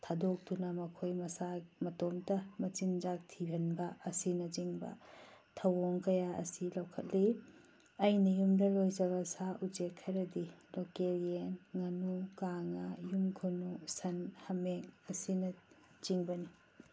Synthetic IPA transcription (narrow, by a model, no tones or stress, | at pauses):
tʰadok̚dunɐmɐkʰojmɐsamɐtomdɐmɐt͡ʃinzak̚tʰibʱɐnbɐɐsinɐd͡ʒiŋbɐ̰tʰɐwoŋkɐjaʔɐ̰silɐwkʰɐt̚li | ɐjnɐjumdɐlojd͡ʒɐβɐsaʔud͡ʒekʰːɐɾɐdilokeɾienŋɐnukaŋɐjumkʰonusɐnhɐmeŋɐsinɐ | t͡ʃiŋbɐni